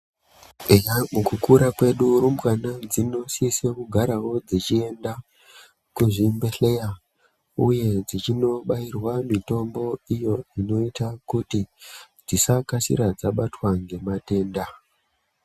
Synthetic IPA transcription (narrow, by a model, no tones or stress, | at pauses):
ejamukukuɾakwe̞ɗuɾumbkanad͡zino̞sisekuɡʱaɾawo̞d͡zit͡ʃie̞nda | kuʐimbe̞ɬeja | uje̞d͡zit͡ʃino̞ɓairwamito̞mbo̞ijo̞ino̞itakuti | d͡zisakasḭɾad͡zaɓatwaŋɡe̞mate̞ːnda